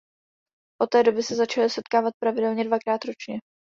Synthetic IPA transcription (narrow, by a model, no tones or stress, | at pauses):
ʔot̪ːɛːdo̞bɪsɛzat͡ʃalɪsɛt̪kaːvat̪̚pɾavɪdɛlɲɛdvakɾaːt̪ɾo̞t͡ʃɲɛ